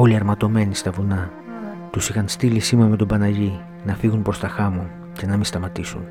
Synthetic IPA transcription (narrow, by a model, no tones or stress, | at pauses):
o̞liɐɾmɐt̪o̞me̞nist̪ɐvunɐ | t̪usixɐnst̪ilisimɐme̞t̪obɐnɐʝi | nɐfiɣunpɾo̞st̪ɐxɐmo | ce̞nɐmist̪ɐmɐt̪isṵn